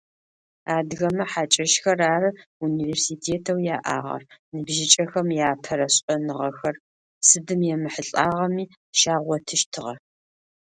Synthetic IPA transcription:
aːdɣɐmɐħaːt͡ʃʼɐʃxɐraːrɨuniːveːrsiːtʰeːtʰɐwjaːʔa̰ːʁɐ̰rnɨbʒɪt͡ʃʼɐxɐmjaːpʰɐɾɐɕʼɐnɨʁɐxɐr | sɨdɨmjɛmɨħəɬʼaːʁɐmiː | ʃaːʁʷɔtʰɨʃtʰɨʁɐ̰

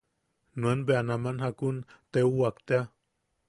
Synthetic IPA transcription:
nuənbeanamanhakunt̪euwakt̪ea

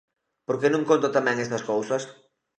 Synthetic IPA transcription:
poɾkenũŋkõnt̪ʊt̪amɛ̃ŋest̪ɐskowsɐs

